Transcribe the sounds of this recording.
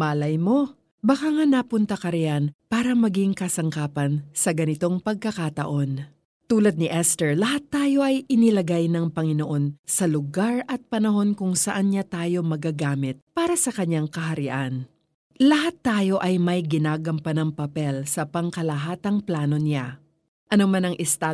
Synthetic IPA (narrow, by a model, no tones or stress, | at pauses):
maːlɐjmo̞ | bɐkaŋanapʊnt̪ɐkɐɾɪjanpaːɾɐmɐɡiŋkɐsɐŋkaːpɐnsɐɡɐnɪt̪o̞ŋpɐɡ̚kɐkat̪ɐ̰ʔo̞n | t̪uːlɐd̪̚nɪʔɛst̪ɛɹlɐhat̪ːaːjo̞ʔɐjʔɪnɪlɐɡajnɐŋpɐŋɪno̞ʔo̞nsɐlʊɡaɹʔɐt̪̚pɐnɐho̞nkʊŋsɐʔanɲat̪aːjo̞mɐɡaɡaːmɪt̪̚paːɾɐsɐkɐɲaŋkɐɦɐɾɪʔan | lɐɦat̪ːaːjo̞ʔɐjmɐjɡɪnaːɡɐmpɐnɐŋpɐpɛlsɐpɐŋkɐlɐɦaːt̪ɐŋplaːno̞nɪa | ʔɐnomanɐŋʔɪst̪a